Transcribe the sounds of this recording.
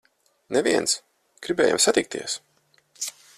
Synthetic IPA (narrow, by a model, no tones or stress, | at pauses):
nɛvʲiɛns | ɡ̥ɾibɛːja̰msat̪ik̚t̪ḭɛs